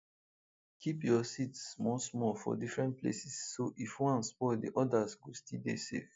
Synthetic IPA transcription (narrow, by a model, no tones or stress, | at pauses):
kʰipjɔsitsmɔsmɔfɔ̰difɹɛ̃nt̚plḛsisːoʔifwãnspɔdḭʔɔdasɡostidḛsḛf